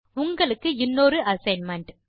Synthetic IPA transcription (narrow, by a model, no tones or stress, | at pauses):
ʊŋɡɐɭɯkːɯɪnːoːɾɯʔɐsɐɪnmɐɳʈ